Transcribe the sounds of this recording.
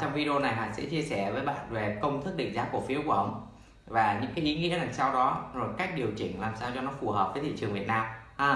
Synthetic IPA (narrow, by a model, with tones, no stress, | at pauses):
t͡ɕɔ˧wŋ͡mvi˧ɗo˧na˨˩jɦaː˨˩sɛ̰˧˥t͡ɕi˧əsɛ˧˩vəː˨˦jɓa̰ː˧˨nve˨˩kə˧wŋ͡mt̪ʰɨ˦˥k̚ɗḭ̈˧˨ŋ̟zaː˨˦˥ku˧˩əfi˨˦əwku˧˩əʔə˧wŋ͡m | vaː˨˩ɲɨ̰˧˥ŋkaː˨˦jʔi˨˦ŋḭ˧˥əzaː˨˩ŋsa˧wɗɔ˨˦zo˨˩jka˦˥jk̟̚ɗi˨˩əwt͡ɕï˧˩ŋ̟laː˨˩msaː˧wt͡ɕɔ˧nɔ˨˦fu˨˩hɦəː˨˩p̚vəː˨˦jt̪ʰḭ˧˨t͡ɕɨ˨˩əŋvi˨˩ət̚naː˧mː˧